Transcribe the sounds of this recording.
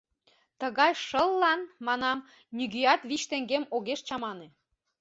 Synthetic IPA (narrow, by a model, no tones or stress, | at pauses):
t̪əɣɑjʃəlːɑnmɑnɑm | nʲyɣyjɑt̪βit͡ɕt̪eŋɡemoɣeʃt͡ɕɑmɑne